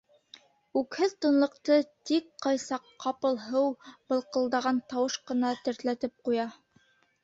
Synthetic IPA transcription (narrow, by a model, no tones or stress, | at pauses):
ʉkhɘðt̪ŏnlˠɤ̆qt̪ɤt̪ik̚qɑjsɑqːɑpɤ̆lˠɦɤwb̥ɤ̆lˠqɤ̆lˠd̪ɑʁɑnt̪ɑwɤʃqɤ̆nɑt̪ɘ̆ɾt̪læt̪ɘp̚qujɑ